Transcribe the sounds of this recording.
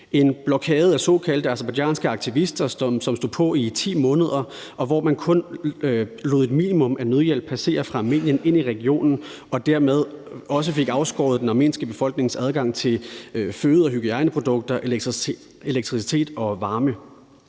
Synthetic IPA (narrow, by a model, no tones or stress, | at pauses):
e̝nb̥lɒkʰɛːð̞̩ˠæsɔ̽ːkʰæl̰d̥əɑsɐbɑjɛ̰nsɡ̥əɑ̈ɡ̥̚t͡sʰiʋisd̥ɐssɒ̽msd̥o̝pʰɒ̽it͡sʰḭːmɔ̽ːnəð̞ˠɐ | ʔɒ̽ʋɒmænkʰɔ̽n | lo̝ð̩ˠed̥mḭːnimɔ̽mʔænøð̞ˠjel̰b̥̚pʰæse̝̰ːɐfʁɑ̈ɑme̝̰ːnjəne̝n̰iʁɛɡ̥io̝̰ːnn̩ | ɒ̽d̥æɐmeð̞ˠɒ̽s̬əfe̝ɡ̥ɑ̈ʊsɡ̥ɒ̰ːð̩ˠd̥enɑ̈me̝̰ːnsɡ̥əb̥e̝fɒ̽l̰ɡ̥ne̝ŋsæð̞ˠɡ̥ɑ̈ŋ̰t͡sʰe̝lføːð̞̩ˠɒ̽ɦyɡ̥iɑ̈ɪnəpʰʁo̝d̥ɔ̽ɡ̥̚d̥ɐʔe | e̝leɡ̥̚t͡sʰʁisi̥t͡sʰe̝̰ːd̥ɒ̽ʋɑ̈ːmə